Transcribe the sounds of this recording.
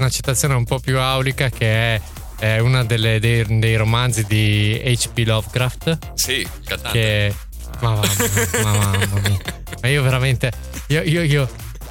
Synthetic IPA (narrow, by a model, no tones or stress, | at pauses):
nat͡ʃːe̥t̪ːat̪sːjoːneumpɔpjuawlikakeɛ | unad̪elːed̪ejd̪ejɾomand̪zid̪iejt͡ʃpilɔvɡɾaft̪ | si | kat̪akːe | mamamamamami | maiːoveɾament̪e | iːoiːoio